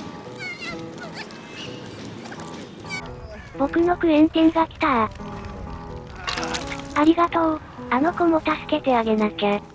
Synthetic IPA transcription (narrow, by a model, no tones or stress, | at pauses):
b̥o̞kɯ̟no̞kɯ̟ẽ̞nt̪ẽŋɡakʲi̥t̪aɾa | aɾʲiɡat̪o̞ː | ano̞komo̞t̪asɨ̥ke̞t̪e̞aɡe̞nakʲa